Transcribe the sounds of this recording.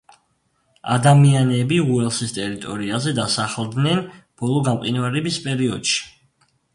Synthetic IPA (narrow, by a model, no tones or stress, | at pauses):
a̰d̪amianɛbiuɛlˠsist̪ʼɛɾit̪ʼɔɾiazɛd̪asaχlˠd̪nɛnb̥ɔlˠɔɡamqʼinvaɾɛbispʼɛɾiɔd̪̥ʃi̥